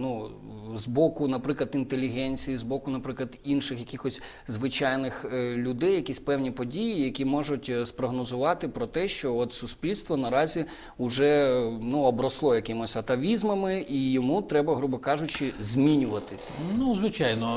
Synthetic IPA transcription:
nuzbɔkʊnɐpɾɪklˠɐt̪int̪elʲiɦɛnʲt͡sʲijizbɔkʊnɐpɾɪklˠɐd̪inʃɪxjɐkʲixɔsʲ | zʋɪt͡ʃɑjnɪxlʲʊd̪ɛjɐkʲisʲpɛwnʲipɔdʲijijɐkʲimɔʒʊtʲspɾɔɦnɔzʊʋɑt̪ɪpɾɔt̪ɛʃt͡ʃɔɔt̪sʊsʲpʲilʲst̪ʋɔnɐɾɑzʲi | ʊʒɛnuɔbɾɐslˠɔjɐkɪmɔsʲɐt̪ɐʋʲizmɐmɪijɔmut̪ɾɛbɐɦɾubɪkɑʒʊt͡ʃɪzʲmʲinʲʊʋɐt̪ɪsʲɐ̰nuzʋɪt͡ʃɑjnɔ

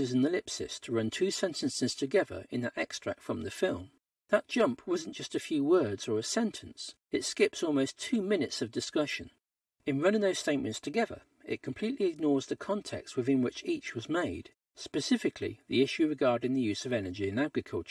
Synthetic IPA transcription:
ɨzɨ̃nɨlɪpsɨ̰stʰəɹʌ̃ntʰʉsɛ̃ntʰɨ̃nsɨz̥tʰɨɡɛðə̰˞ɨ̰̃nðəɾʔɛkstɹ̥æ̰k̚tfɹʌ̃mðɨfɪlˠm | ðət̚d̥ʒ̥ʌ̃mpʰwʌzn̩d̥ʒ̥ʌstɨfjʉwɜ˞dz̥ə˞ɨsɛ̃ntʰɨ̃ns | ɨtskɪpsɔlˠmoʊstʰʉmɪ̃nɨtsʌvdɨskʌʃɨ̃n | ɨ̃nɹʌ̃ñɪ̃ŋðoʊsteɪʔ̚mɨ̃ntstʰɨɡɛðə̰˞ | ɪ̰t̚kʰm̩pʰl̥iʔˡliɨɡ̚nɔɹzðɨkʰɑ̃ntʰɛ̰kst̚wɨðɪ̃nwɪt͡ʃit͡ʃwʌzmeɪd̥ | spɨsɪfɨkʰlḭðiɪʃʉɹɨɡɑɹɾɪ̃ŋðɨjʉz̥ʌvɛnə˞d͡ʒiɨ̃næɡɹɨkʰʌ̰lˠt͡ʃə˞

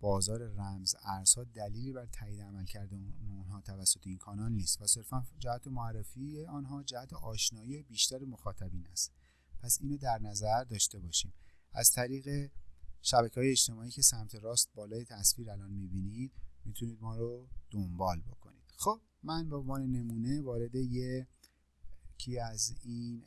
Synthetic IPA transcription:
b̥ɒːzɒːɾe̞ræmzæɾz̥hɒːd̪æliːliːbæɾt̪ʰæːiːd̪eæmælcʰæɾd̪eunɦɒːt̪ʰævæsːot̪ʰeiːnkʰɒːnɒnniːst̪væse̞ɾfænd͡ʒæhæt̪ʰemoærːefiːeɒːnɦɒːd͡ʒæhæt̪ʰeʔɒːʃnɒːiːebiːʃt̪æɾemoxɒːt̪ʰæbiːnæst̪ | pʰæsiːnod̪æɾnæzæɾd̪ɒːʃt̪e̞bɒːʃiːmʔæ̰z̥t̪ʰæɾiːɣe̞ʃæbæcʰeɒːjeeːt͡ʃt̪e̞mɒːiːcʰe̞sæmt̪ʰe̞ɾɒːst̪̚bɒːlɒːje̞t̪ʰæsfiːɾælɒːnmibiːnid̪̥̚mit̪ʰuniːd̪mɒːɾod̪̥ombɒːlbo̞kʰo̞̰nḭːd̪̥xob̥̚mænbeoɱvɒːne̞ne̞muːne̞vɒːɾe̞d̪eje | cʰiæzin

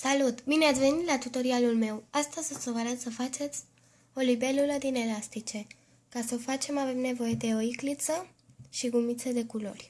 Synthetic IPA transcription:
salut̪bineat̪sʲve̞nit̪lat̪ut̪o̞ɾialulme̞wast̪əsesovəɾat̪səfat͡ʃe̞t̪sʲ | o̞libe̞luləd̪ine̞last̪it͡ʃe̞ | kasəofat͡ʃe̞mave̞mne̞vo̞je̞d̪e̞o̞iklit̪sə | ʃiɡumit̪sed̪e̞kulo̞̰rʲ

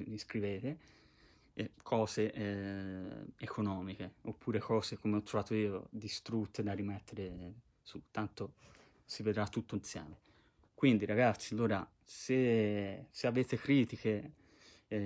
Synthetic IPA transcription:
iskɾiveːt̪e | kʰɔːzeʔ | ekonɔːmik̟eopʰːuːɾekɔːzekomeɔt̪ːɾovaːt̪oiːod̪ist̪ɾut̪ːed̪arːimɛt̪ʰːeɾe | sut̪ːant̪o | sived̪ɾat̪ːut̪ːoint̪sja̰ːme | kwind̪iɾaɡat̪sːialːoːɾa | se | seaveːt̪ekɾiːt̪ike

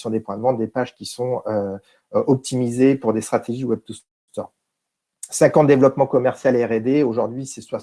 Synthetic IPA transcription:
sjɔ̃d̪epwɛ̃d̪vɑ̃t̪̚d̪epaʒkʲisɔ̃ø | ʔɔp̚t̪ʰimizepuʁd̪est̪χat̪eʒiwɛb̚t̪us | t̪ɔʁ | sɛ̃kɑ̃t̪d̪evlɔpmɑ̃kɔmɛʁsjalɛʁed̪eoʒuʁd̪ɥisɛswa

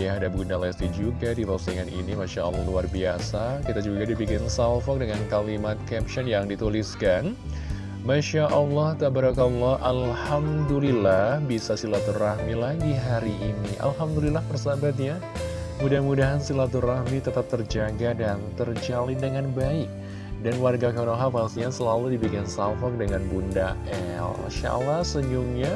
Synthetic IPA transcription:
jadabundalɛst̪id͡ʒuɡadiɾosiŋanḭnimaʃa̰ʔə̰lːɔ̰luarbia̰sakit̪ad͡ʒuɡadibikɪnsalfɔk̚dəŋankalimat̪̚kɛp̚ʃɔnjaŋdit̪uliskan | maʃaʔəlːɑht̪abaɾɔkaulːɑhʔalhamdulilahbisasilat̪urahmilaɡiɦaɾiʔːniʔa̰lɦamdulilahpərsabat̪̬̚ɲa | mudahmudaɦansilat̪urahmit̪ət̪ap̚t̪ərd͡ʒaɡadant̪ərd͡ʒalɪndəŋanbaɪk̚ | danwarɡakanɔɦafasiansəlaludibiɡansalfɔk̚dəŋanbunda̰ɛ̰l | ʃa̰lahsəɲuŋɲa

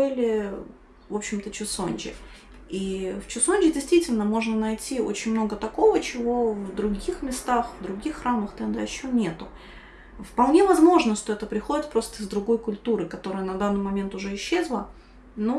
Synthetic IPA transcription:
bɨlʲɪ | vo̞pɕːɪmt̪ət͡ɕʊso̰nʲt͡ɕɪ̰ | ift͡ɕʊsonʲd͡ʒʲɪdʲɪjst̪vʲitʲɪlʲnəmo̞ʐnənɐjtʲio̰t͡ɕɪnʲmno̞ɡət̪ɐko̞vət͡ɕɪvo̞vd̪ɾʊɡʲixmʲɪst̪axvd̪ɾʊɡʲixːɾaməxt̪ɛnd̪ɐɪɕːonʲe̞t̪ʊ | fpɐlˠnʲe̞vɐzmo̞ʐnəʂt̪o̞ɛt̪əpɾʲɪxo̞dʲɪt̪̚pɾo̞st̪əɪzd̪ɾʊɡo̞jkʊlʲt̪uɾɨkɐt̪o̞ɾɨjənɐd̪anːɨjmɐmʲe̞nt̪ʊʐɛɪɕːe̞zlˠə | no

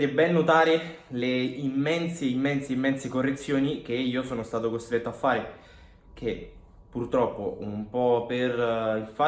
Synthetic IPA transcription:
t̪ebɛnːot̪aːɾe | leimːɛnseimːɛnseimːɛnsekorːet̪sːjoːnik̟eiːosoːnost̪aːt̪okost̪ɾet̪ːoafːaːɾe | k̟ʰe | purt̪ɾɔpːoumpɔperiɱfa

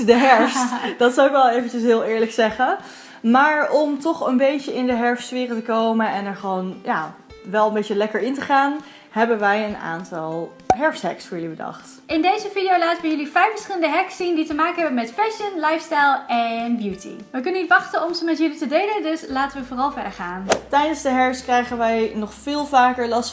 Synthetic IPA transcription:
dəɦɛɹfstd̥ɑtsawɪkʋɛlˠejvənt͡ʃəsɦɪːlˠɪːɹləksɛχə | maːɹɔmtɔχənbejtəɪndəɦɛɹftsfɪːrətəkowmənɛnɛɹχʋownjaː | ʋɛlˠəmbejcəlɛkəɹɪntəχaːn | ɦɛbənʋɛjəna̰ːntɑlˠ | ɦɛɹfsɦɛ̰ksfʊːɹjɵlibədɑ̰χt | ɪndejzəvidijowlaːtənʋəjɵlifɛjfəɹsχɪləndəɦɛksːinditəmaːkənɦɛbənmɛtfɛʃənlajfstajlˠɛnbjutḭʋək̬ɵnənitʋɑχtənɔmzəmɛtjɵlitədejləndɵslaːtənʋəvoːrɑlˠvɛɹdəɹχaːntɛjdənzdəɦɛɹfskrɛjχənʋɛjnɔχfɪːlˠvaːkəɹlɑst

